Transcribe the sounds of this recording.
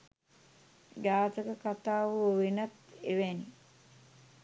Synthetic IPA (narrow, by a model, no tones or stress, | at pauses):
ɡaːt̪əkəkat̪aːʋəoʋenat̪eʋɛni